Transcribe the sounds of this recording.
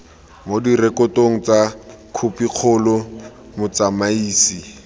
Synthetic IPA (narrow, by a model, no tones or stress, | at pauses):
modirɛkɔtoŋ̩t͡sa | kʰupiq͡χʰʊlɔ | mʊt͡samaiːsi